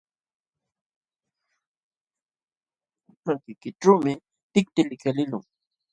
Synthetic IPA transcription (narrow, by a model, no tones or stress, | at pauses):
pakɪkɪʈ͡ʂawmɪ | t̪ɪk̚t̪ɪlɪkalɪlʊ̰ŋ